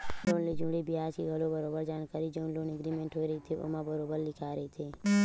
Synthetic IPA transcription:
loːnlid͡ʒʊ̃ːɽiːbɪɦaːd͡ʒkiːɡʱəlobəɾoːbəɾd͡ʒaːnkaːɾiːd͡ʒəʊ̃nloːneɡɾiːmẽɳʈɦoːiɾəit̪ʰeʔo̰mãbəɾoːbəɾlɪkʰaːɾəit̪ʰeː

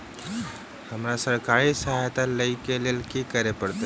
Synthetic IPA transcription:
həmɾasəɾkaːɾisɐɦajt̪aləikelelkikəɾepəɽt̪a

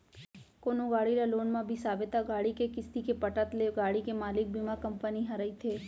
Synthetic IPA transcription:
koːnõɡaːɽiɾaloːnmãbʱisaːbet̪aɡaːɽikekɪst̪ikepɐʈət̪leɡaːɽikemaːlɪk̚bimakɐ̃mpəniɦɐɾəit̪ʰeː

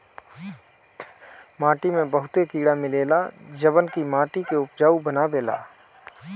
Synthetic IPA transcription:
mãːʈimẽbəɦʊt̪ekiːɽamɪleːlad͡ʒəbənkimãːʈikeʊpd͡ʒaːubənabeːla̰ː

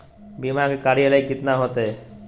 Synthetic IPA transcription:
bimakekaɾijalajɡit̪naɦɔt̪e

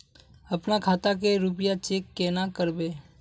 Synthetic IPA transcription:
əpnakʰaːt̪ak̬eɾup̬ɪjat͡ʃeːkːeːnakəɾbeː

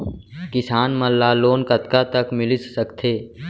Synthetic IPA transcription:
kɪsaːnməlːaːloːnkət̪kat̪əkmɪlɪsːəkt̪ʰeː

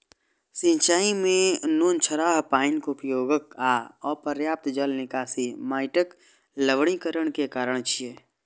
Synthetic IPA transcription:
sɪ̃nt͡ʃaːimẽnoːnt͡ʃʰəɾaːɦpaːɪnkʊpjoːɡəkaːɔːɾpəɾjaːp̚t̪d͡ʒəlnɪkaːsimaːɪʈək | ləʋɽ̃ikəɾəɽ̃kekaːɾəɽ̃t͡ʃʰieː

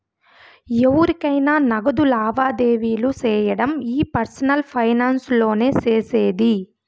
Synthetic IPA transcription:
eʋuɾikɐjnaːnɐɡɐd̪ulaːʋaːd̪eːʋiːlut͡ʃɛːjɐɽɐmiːpɐɾsɐnɐlpʰɐjnaːnslo̞ːne̞ːt͡ʃeːseːd̪i

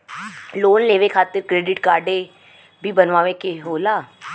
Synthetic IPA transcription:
loːnleːʋekʰaːt̪əɾkɾeːɖɪʈkaːɾɖe | bʱiːbənʋaːʋekeɦoːlaː

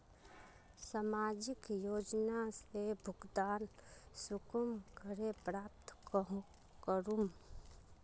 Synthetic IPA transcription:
samaːd͡ʒɪkjoːd͡ʒnasebʱʊɡd̪aːnsʊkəmkəɾepɾaːp̚t̪kɦ | kəɾum

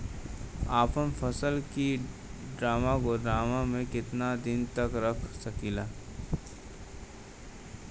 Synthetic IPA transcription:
aːpəmpʰəsəlki | ɖɾaːmakoɖɾaːmamẽkɪt̪nad̪ɪnt̪ɐkɾɐkʰsɐkilaː

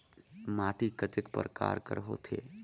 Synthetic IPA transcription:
maːʈikət̪ɪkpəɾka̰ːɾkəɾɦo̰ːt̪ʰeː

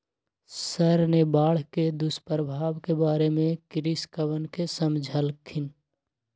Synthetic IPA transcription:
səɾnebaːɽ̤ked̪ʊspəɾəbʱaːʋkebaːɾemẽkɾɪskəʋənkesəmd͡ʒʱəlkʰɪn

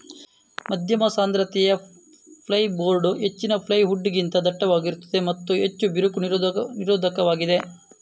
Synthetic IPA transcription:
mɐd̪ʱjɐmɐsaːnd̪ɾɐt̪ɛjɐ | pʰlɐjboːɾɖuɦet͡ʃːinɐpʰlɐjɦuɖːiɡint̪ɐd̪ɐʈːɐʋaːɡiɾut̪ːɐd̪e̞mɐt̪ːuɦet͡ʃːubiɾukuniniɾoːd̪ʱɐkɐʋaːɡid̪e

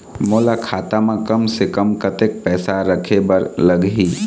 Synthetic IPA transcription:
moːlakʰaːt̪amãkɐmsekəmkət̪ek̚pɛːsaɾəkʰebəɾləɡɦiː

